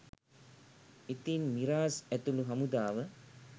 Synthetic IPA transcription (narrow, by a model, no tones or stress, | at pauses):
it̪inmiɾaːsæt̪uluɦamud̪aːʋə